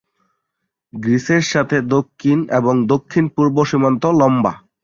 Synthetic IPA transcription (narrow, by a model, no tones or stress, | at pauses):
ɡɾiseɾʃat̪ʰed̪okʰːineboŋd̪okʰːinpuɾboʃimant̪olɔmba̰